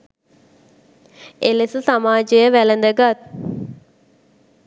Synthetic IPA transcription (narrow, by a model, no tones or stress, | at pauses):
elesəsamaːd͡ʒəjəʋælənd̪əɡat̪̚